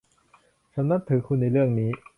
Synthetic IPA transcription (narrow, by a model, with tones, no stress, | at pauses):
t͡ɕʰa˦mna˦˥t̪ʰːɯ˨˩˦kʰu˧nːa˧jɾɯ˥˩əŋniː˦˥